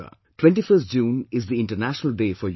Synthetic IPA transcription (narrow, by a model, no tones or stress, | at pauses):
ə̰ | ʈwẽɳʈifəst̚d͡ʒũːnɪzd̪iɪ̃ɳʈənæʃənəlɖeːfɔɾj